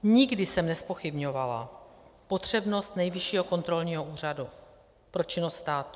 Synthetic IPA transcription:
ɲɪɡdɪsɛmnɛspo̞xɪbɲo̞vala̰po̞t̪r̝̥ɛbno̞st̪nɛjvɪʃiːɦo̞ko̞nt̪ɾo̞lɲiːɦo̞ʔuːr̝adu | pɾo̞t͡ʃɪnost̪st̪aːt̪u̥

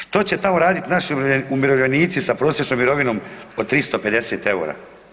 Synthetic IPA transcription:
ʃt̪o̞t͡ɕe̞t̪amo̞ɾaːd̪it̪naʃiumiɾoʋʎeniːt̪sisapɾoːsjet͡ʃnomiɾo̞ʋino̞ːmod̪̚t̪ɾist̪o̞pe̞d̪e̞set̪e̞ṵːɾa̰

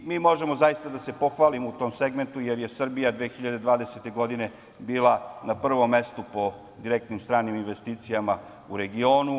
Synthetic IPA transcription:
miːmo̞ʒemo̞zajist̪ad̪ase̞po̞xʋaːlimout̪o̞ːmse̞ɡme̞nt̪ujeɾje̞sr̩bijad̪ʋeːxiʎad̪e̞d̪ʋaːd̪eset̪e̞ɡo̞d̪ine̞ | biːlˠanapr̩ʋo̞mːe̞st̪upo̞ | d̪iɾek̚t̪nimst̪ɾaːniminʋe̞st̪iːt̪sijama | uɾe̞ɡio̞ːnu

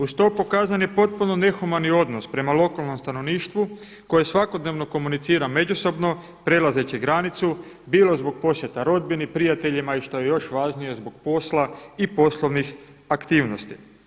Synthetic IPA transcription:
ust̪o̞pokaːzanjepo̞t̪̚puno̞ne̞xumanio̞d̪nospɾe̞malˠo̞kalˠno̞mst̪anoʋniːʃt̪ʋu | ko̞jesʋako̞d̪ne̞ʋno̞ko̞munit̪siːɾame̞d͡ʑuso̞bno̞ | pɾe̞laze̞t͡ɕeɡɾanit̪su | biːlˠo̞zbo̞ɡ̚po̞sjet̪aɾo̞d̪̚binipɾijat̪e̞ʎimaiʃt̪o̞je̞jo̞ʃʋaːʒnije̞zbo̞ɡ̥̚po̞slˠaipo̞slˠoʋnix | akt̪iːʋno̞st̪i

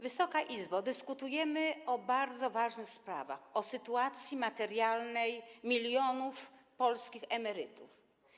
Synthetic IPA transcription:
vɘsɔkaʔizbad̪ɘskut̪ujɛmɘɔbaɾd̪zɔvaʐnɘxspɾa̰va̰xɔsɘt̪uat̪sʲjimat̪ɛɾjalnɛjmʲilʲjɔnufpɔlskʲixɛmɛɾɘt̪uf

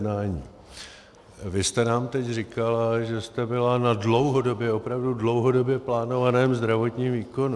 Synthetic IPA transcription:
dnaːɲḭː | vɪst̪ɛnaːmt̪ɛcrɪkalaʒɛst̪ɛbɪlanadlo̞wɦo̞do̞bjɛo̞pɾavdudlo̞wɦo̞do̞bjɛplaːno̞vanɛːmzd̪ɾavo̞t̪ɲiːmviːko̞n

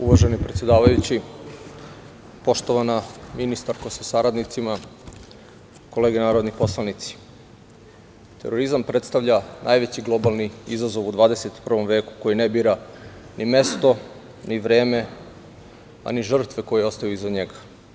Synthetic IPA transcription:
uʋaʒenipɾet̪sje̞d̪aːʋajut͡ɕi | po̞ʃt̪oʋanaminist̪aɾkosisaɾad̪nit̪sima | ko̞leɡenaːɾo̞d̪nipo̞slˠanit̪si̥ | t̪e̞̰ɾoɾizampɾe̞t̪st̪aʋʎanʔaːjʋe̞t͡ɕiɡlo̞balˠniizazo̞ʋud̪ʋaːd̪ese̞t̪pr̩ʋo̞mʋe̞ːku̥ko̞jinebiːɾa | nime̞st̪o̞ | niʋɾe̞ːme̞ | a̰niʒr̩t̪ʋeko̞jeo̞st̪ajuizaɲeɡa

